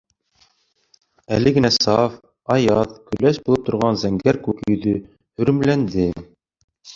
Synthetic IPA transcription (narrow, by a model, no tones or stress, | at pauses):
ælɘɡɘ̆næsɑf | ɑjɑðkɵ̆læʃbulˠɤp̚t̪ŏɾʁɑnzæŋɡæɾkʉkɵ̆ðɵ | hɵ̆ɾɘ̆mlænd̪ɘ